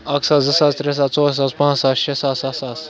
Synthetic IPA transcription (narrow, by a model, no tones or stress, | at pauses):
aːksaːzzɐsaːst̪ɾes̬aːt͡soːs̬aːspãːsaːsʃesaːsaːsaːs